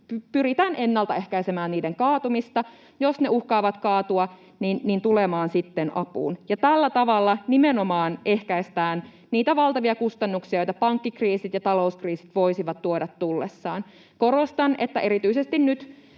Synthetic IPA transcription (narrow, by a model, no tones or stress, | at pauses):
pypyɾit̪æːnenːɑlt̪ɑehkæisemæːnniːdeŋkɑːt̪umist̪ɑ | josneuhkɑːʋɑt̪kɑːt̪uɑ | ninnint̪ulemɑːnsit̪ːenʔɑpṵːnjɑt̪ælːæt̪ɑʋɑlːɑnimenomɑːnʔehkæist̪æːn | niːt̪æʋɑlt̪ɑʋiɑkust̪ɑnːuksiɑjojt̪ɑpɑŋkːikriːsit̪jɑt̪ɑlouskriːsi̥t̪ʋoisiʋɑt̪tːuodɑt̪t̪ulːesːɑːn | koɾost̪ɑnet̪ːæʔeɾit̪yisest̪innyt̪